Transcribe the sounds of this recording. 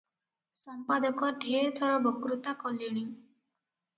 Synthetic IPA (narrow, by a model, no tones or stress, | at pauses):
sɔmpad̪ɔkɔɖʱeɾt̪ʰɔɾɔbɔkɾut̪akɔliɽ̃i